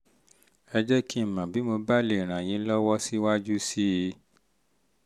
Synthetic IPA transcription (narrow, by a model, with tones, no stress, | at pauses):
ɛ˧d͡ʒɛ˦ki˦˨mã˨bi˨˦mo˧ba˦le˨ɾ̃ã˨j̃ĩ˨˦lɔ˦wɔ˦si˦wa˦d͡ʒu˦si˦˧˦